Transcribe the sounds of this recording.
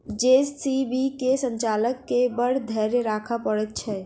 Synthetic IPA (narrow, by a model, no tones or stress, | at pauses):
d͡ʒessibikesə̃nt͡ʃaləkːebəɽ̤d̪ʱɛɾɾakʰapəɽɛt̪̚t͡ʃʰɛ